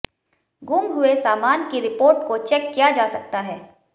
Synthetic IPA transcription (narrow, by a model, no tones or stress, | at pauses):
ɡuːmɦʊesaːmaːnkiɾɪpoːɾʈkot͡ʃɛkːijad͡ʒaːsɐk̚t̪aɦɛː